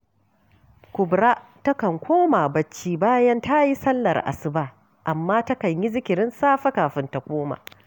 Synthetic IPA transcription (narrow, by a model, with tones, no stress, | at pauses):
kʷʊ˨bɾaː˦tɐ˦kɐ˨ŋkʷoː˦ma˨bɐ˦t͡ʃːiː˦baː˦jɐ˦nta˦ji˦sɐ˦lːɐ̰˨rʔa̰˨sɪ˦baː˦ | ʔa˨mːaː˦tɐ˦kɐ˨ɲji˦zɪ˦kʲɪ˨ɽɪ˦nsaː˦ɸɐ˦kaː˨ɸɪ˦nta˨kʷoː˦ma̰ː˨